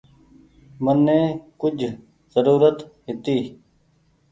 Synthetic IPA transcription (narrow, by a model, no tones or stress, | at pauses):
mənːẽːkʊd͡ʒʱ | zəɾuːɾət̪ɦɪt̪iː